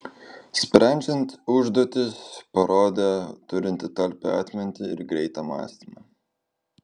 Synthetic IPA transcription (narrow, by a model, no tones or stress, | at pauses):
sʲpʲɾʲɛˑnʲd͡ʒʲɛnʲt̪ʊʒd̪uɔːt̪ʲɪspɐɾoːd̪ʲeːt̪ʊɾʲɪnʲt̪ʲɪt̪ɐlʲpʲɛɑ̰ːt̪ʲmʲɪnʲt̪ʲɪɪ̰ɾɡɾʲɛɪt̪ɑmɑ̰ːsʲt̪ʲɪmɐ̰